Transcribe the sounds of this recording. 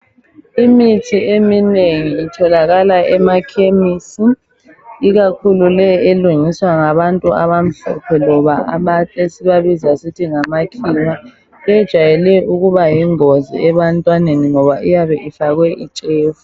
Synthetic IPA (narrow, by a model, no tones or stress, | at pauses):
imitʰiemineŋiːtʰɔlaɣalaɛmakʰemisi | iɣakʰululɛeluŋiswaŋaβantʼua̰βam̩ɮɔ̰pʰɛlɔβaaβatʼesiβaβizasitʰiŋamakʰiwa | ɛjɛd̥ʒ̥ʱwajɛlɛʔuɣuβajiŋozḭɛβantʼwaneniŋɔβaʔijaβɛʔifaɣwɛʔit͡ʃʼeːfu